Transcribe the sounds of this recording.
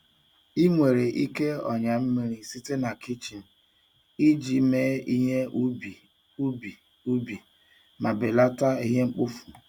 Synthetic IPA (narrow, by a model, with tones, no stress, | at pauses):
i˦ŋʷe˨ɾe˨ʔi˦ke˦ɔ̰˨ɲa˨m̩˦mi˦ɾi˦si˦te˦na˨ki˦t͡ʃi˨n̩˨ | i˦d͡ʒi˨me˦i˦ɦe˦ʔu˦bi˨ | u˦bi˨ | u˦bi˨ | ma˨be˨la˦ta˦i˦ɦe˦ŋ͡m̩˦k͡pʊ˦fu̥˨